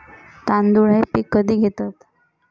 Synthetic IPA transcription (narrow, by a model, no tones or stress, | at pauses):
t̪and̪uɽepikːəd̪ʱiːɡʱet̪at̪